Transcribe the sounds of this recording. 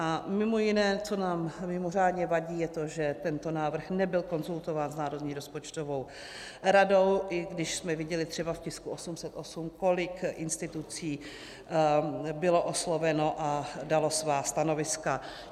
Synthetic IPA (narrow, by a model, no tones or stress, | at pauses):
ʔamɪmo̞jɪnɛːt͡so̞naːmmɪmo̞r̝aːdɲɛvaɟiːjɛt̪o̞ʒɛt̪ɛnt̪o̞naːvr̩xnɛbɪlko̞nzult̪o̞vaːnznaːɾo̞dɲiːɾospo̞t͡ʃt̪ovo̞w | ɾado̞wʔɪɡdɪʃsmɛvɪɟɛlɪt̪r̝̥ɛbafcɪskuʔosumsɛt̪ʔosumko̞lɪkʔɪnst̪ɪt̪ut͡siː | bɪlo̞ʔoslovɛno̞ʔadalo̞svaːst̪ano̞vɪska